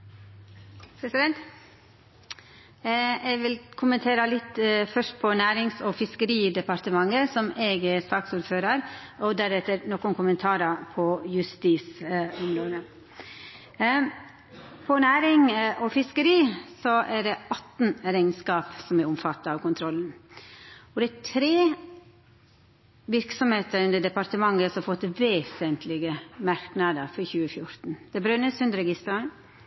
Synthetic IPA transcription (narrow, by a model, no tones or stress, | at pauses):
pʰɾɛsɪd̪ɛnt̪ | ɛɡʋɪlkʰʊmənt̪ʰeːɾəlɪt̪ːfœʂʈ̚pʰɔnæːɾɪŋsɔfɪskəɾiːd̪ɛpɑɾt̪əmɑŋːəsɔmeɡɛsɑːksuːɾføːɾəɾɔd̪æɾɛt̪ːəɾnoːkʊnkʰʊmənt̪ʰɑːɾɑpʰɔjʉst̪iːsʊmɾoːd̪ə | pʰɔnæːɾɪŋʔɔfɪskəɾiːsɔʔæɖɛɑt̪ːn̩ɾɛɪŋnskɑːpsɔmɛɾʊmfɑt̪ːɑɑːʋkʰʊnt̪ʰɾɔlːn̩ | ɔd̪ɛæt̪ʰɾeː | ʋɪɾksɔmheːt̪əɾʉnd̪əɖ̪ɛpɑɾt̪əmɑŋːəsɔfɔt̪ːʋeːsənt̪ʰlɪɡəmɑɾknɑd̪əɾfɔɾçʉːəfjʊɾt̪n̩d̪̥ɛbɾœnːəsʉnd̪əɾəɡɪst̪ɾɑ